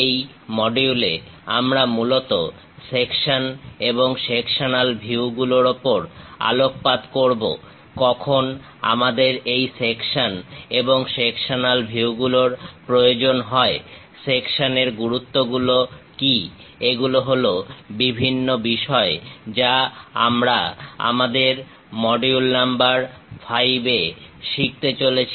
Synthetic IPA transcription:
ej | mɔɖiulea̰mɾamulot̪o | sekʃaneboŋʃekʃanalbʱiwɡuloɾopoɾa̰lok̚pad̪koɾbo̰ | kɔkʰon | a̰mad̪eɾejsekʃaneboŋʃekʃanalbʱiwɡuloɾpɾojod͡ʑonɦɔe | sekʃaneɾɡuɾut̪ːoɡuloki | eɡuloɦolobibʱinːobiʃɔed͡ʑaa̰mɾaa̰mad̪eɾ | mɔɖiulnambaɾfʰajbeʃik̚t̪et͡ɕolet͡ɕʰ

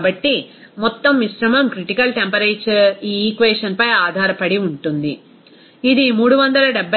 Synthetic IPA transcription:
bɐʈːi | mɔt̪ːɐmʋiʃɾɐmɐmkɾiʈikɐlʈempɐɾɐʈt͡ʃiːkʋeːʂɐnpɐjaːd̪ʱaːɾɐpɐɽiuɳʈund̪iː | d̪imuːɽuʋɐnd̪ɐlɐɖɛbʱːɐ

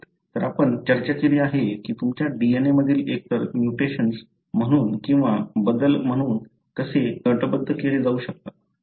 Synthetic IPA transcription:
t̪əɾapəɳt͡ɕəɾt͡ɕat͡ɕiɾiːaɦekiːt̪umt͡ɕjaɖieneməd̪ʱiːlek̚t̪əɾmjuʈeɕəns | m̤əɽ̃uːnkĩw̃ʋabəd̪əlm̤əɽ̃uːn | kəseɡəʈəbəd̪ʱːəkeliːd͡zauːɕək̚t̪at̪

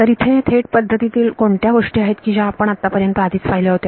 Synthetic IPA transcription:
t̪əɾit̪ʰet̪ʰeʈpəd̪ʱːət̪it̪iːlkoɳt̪jaʋəʂʈiːaɦet̪kiːd͡ʑaapəɳat̪ːapəɾjənt̪əad̪ʱiːt͡sfajleɦot̪e

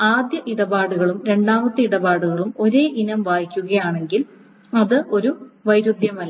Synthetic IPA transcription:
aːd̪jɐʔiɽɐbaːɽuɣɐɭumɾe̞ɳɖaːmɐt̪ːɨiɽɐbaːɽuɣɐɭumo̞ɾe̞ːʔinɐmʋaːjikʲːuɣɐjaːɳe̞ŋɡil | ɐðɨʔo̞ɾuʋɐjɾud̪jɐmɐlːɐ

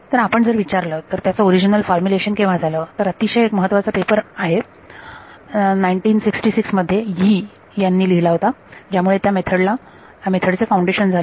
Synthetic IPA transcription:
t̪əɾapəɳd͡zəɾʋit͡ɕaɾləːt̪əɾt̪jat͡səoɾid͡ʑinəlfɔɾmjuleɕənkeʋad͡zʱalət̪əɾət̪iɕəjekməɦət̪ːʋat͡səpepəɾaɦe | najiɳʈiːnsiksʈisiksməd̪ʱːjeɦiː | janːiːliɦilaɦot̪ad͡ʑjamuɭet̪jamet̪ʰəɽla | amet̪ʰəɽt͡sefauɳɖeɕənd͡zʱal

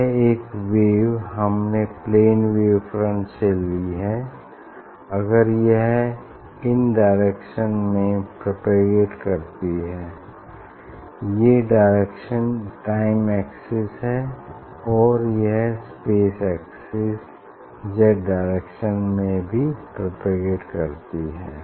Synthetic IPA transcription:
eːkʋeːʋɦɐmnepleːnʋeːʋfɾə̃nt͡ʃelːiɦɛː | ɐɡəɾjeɦ | ɪnɖaːɪɾeːkʃənmẽpɾopeɡeːʈkɐɾt̪iɦɛː | jeɖaːɪɾeːkʃənʈaːɪmɛːksɪsɦɛ | ɔːɾjɐɦspeːsɛːksɪs | d͡ʒɛɖaːɪɾekʃənmẽbʱipɾopeɡeːʈkɐɾt̪iɦɛː

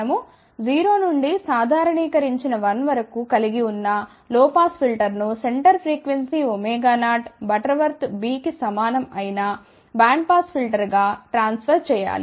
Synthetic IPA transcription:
ɐmu | d͡ʒiːɾo̞ːnuɳɖisaːd̪ʱaːɾɐɳiːkɐɾiɲt͡ʃinɐʋɐnʋɐɾɐkukɐliɡiunːɐ | lɔːpaːspʰilʈɐɾnuseɳʈɐɾpʰɾiːkʋensiomɛːɡaːnaːʈbɐʈɐɾʋɐɾt̪biːkisɐmaːnɐmɐjina | baːɳɖ̚paːspʰilʈɐɾɡaːʈɾaːnspʰɐɾt͡ʃɛːja̰ːli

